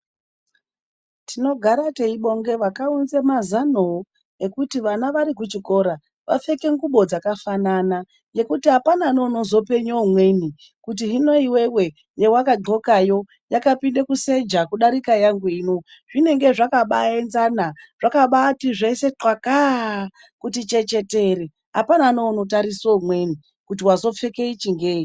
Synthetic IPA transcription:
tʰino̞ɡʱaɾate̞iɓo̞ŋɡe̞ʋakaunzemazanoo | ekutiʋanaʋaɾik̬ut͡ʃiko̞ɾa | ʋa̰fe̞ke̞ŋɡuɓo̞d͡zakafanana | je̞kutiɦapanano̞nozo̞pe̞ɲoːmweni | kut̬iɦino̞iwewe̞ | jewakaɡo̞kajo̞ | jakapinde̞kuse̞d͡ʒakuɗaɾikajaŋɡuiːno̞ | ʐine̞ŋɡe̞ʐakaɓaenzanaʐ̥akaɓatiʐe̞se̞ǁwaka | kutit͡ʃe̞t͡ʃe̞te̞ɾe | ɦapananoːno̞t̬aɾisomwe̞ni | kut̬iwazo̞fe̞ke̞it͡ʃiŋɡe̞ːi

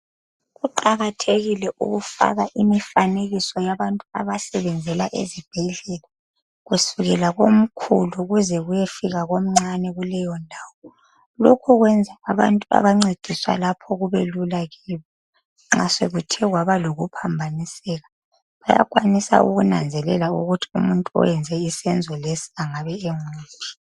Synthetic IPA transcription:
ɣuǃaɣatʰeɣilɛʔṵɣufa̰ɣaʔimifaneɣisɔjaβantʼua̰βasɛβɛnd͡zʱɛlaʔḛzib̥ʱɛɮɛla | ɣusuɣɛlaɣom̩kʰṵluɣuzɛɣujefiɣaɣom̩ŋ͡ǀanɛɣulɛjɔndʱaːwɔ | lokʰɔɣwɛnd͡zʱaːβa̰ntʼua̰βaŋ͡ǀed̥ʱiswa̰lapʰɔɣuβelulaɣiβɔ | ŋ͡ǁaseɣutʰɛɣwaβaloɣupʰambʱanisɛɣa | βaja̰ɣʼwanisa̰ṵɣunand͡zʱɛlɛlauɣutʰi̥ṵmuntʼuɔ̰jɛnd͡zʱɛisɛnd͡zʱɔlesi̥aŋaβɛeŋuːpʰi̥

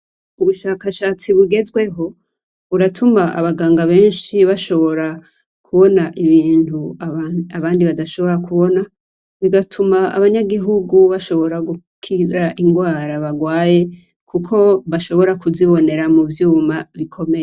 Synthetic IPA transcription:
uβuʃaːkaʃaːt͡siβuɡe̞zɡwe̞ɦo̞ | uɾatʰumaʔa̰βaɡaːŋɡaβe̞ːnʃiβaʃo̞βo̞ɾa | kʰuβo̞naʔiβiːntuaaβaːndiβadaʃo̞βo̞ɾakuβo̞na | βiɡatʰumaa̰βaɲaɡiɦuɡuβaʃo̞βo̞ɾaɡu | kʰiɾaʔiŋɡwaːɾaβaɡwaːje̞ | kʰukʰo̞βaʃo̞βo̞ɾakuziβo̞ne̞ɾamuvjuːmaβikʰo̞me̞je

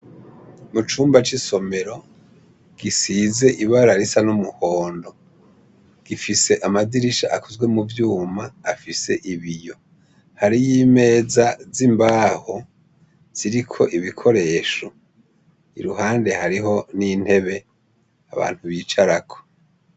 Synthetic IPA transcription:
mut͡ʃuːmbat͡ʃiso̞me̞ɾo̞ | ɡ̥isize̞ʔiβaɾaɾisanumuhoːndo̞ | ɡ̥ifise̞ʔamadiɾiʃaʔakuzɡwe̞muvjuːmaːfise̞ʔiβijo̞ | haɾijime̞ːzazimbaːho | z̥iɾikʰo̞ʔiβikʰo̞ɾe̞ːʃo | ḭɾuɦaːnde̞haɾiɦo̞nin̥he̞βe̞ | aβa̰ːn̥huβiːt͡ʃaɾakʰo̥

